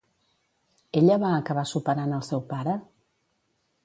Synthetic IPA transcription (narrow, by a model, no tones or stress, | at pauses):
eʎəβaːkəβ̞asupəɾanəlˠsɛwpaɾə